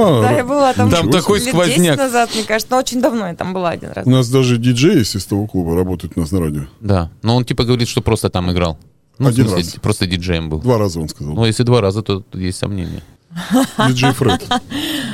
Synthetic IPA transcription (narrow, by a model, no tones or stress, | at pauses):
ad̪ajabɨlˠat̪at̪amt̪ɐko̞j̪ʲkvɐzʲnʲakʲnɐzat̪mɲʲekaʐt̪snoot͡ɕɪnʲd̪ɐvnojat̪a̰mbɨlˠaɐdʲḭnɾa̰ʊnas̬d̪aʐɨdʲɪd͡ʒejsʲɪst̪ɐvoklˠubəɾɐbo̞t̪əjɪt̪nasnɐɾadʲɪod̪anoo̞ntʲipəɡəvɐɾʲit̪ʂt̪opɾo̞st̪ət̪amɪɡɾa̰lˠ | nuɐdʲimʲɪpɾo̞st̪ədʲɪd͡ʐejəmbɨlˠd̪vaɾazəonskɐzalˠnujesʲlʲɪd̪vaɾazət̪o̞jesʲtʲsɐ̰mnʲḛnʲɪ̰jə | dʲɪd͡ʒejfɾɛt̪ʲ